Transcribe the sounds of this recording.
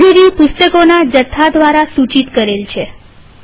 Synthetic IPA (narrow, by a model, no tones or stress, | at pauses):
iɾipʊst̪əkonad͡ʒət̪ʰːad̪ʋaɾasut͡ʃit̪kəɾelt͡ʃʰe